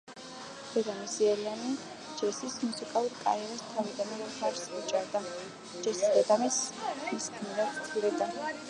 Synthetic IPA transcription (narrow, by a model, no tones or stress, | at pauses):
d̪̥ɛd̪amisiɛlani | d͡ʒɛsismusikʼalˠuɾkʼa̰ɾiɛɾast̪ʰavid̪ananɛχaɾsit͡ʃʼaɾd̪a | d͡ʒɛsisd̪ɛd̪amismiskʰmiɾat̪t̪ʰulɛd̪a